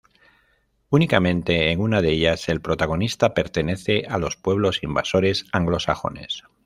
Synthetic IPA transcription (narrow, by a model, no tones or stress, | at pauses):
unikamẽ̞nt̪e̞ːŋunað̞eʎase̞lpɾo̞t̪aɣ̞o̞nist̪ape̞ɾt̪e̞ne̞θe̞ʔalo̞spwe̞β̞lo̞simbaso̞ɾe̞saŋɡlo̞saxo̞̰ne̞̰s